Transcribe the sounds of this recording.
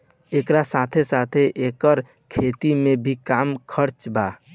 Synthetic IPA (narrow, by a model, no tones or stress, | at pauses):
ekɾasat̪ʰesat̪ʰeʔekəɾ | kʰet̪imẽbʱikamkʰəɾt͡ʃba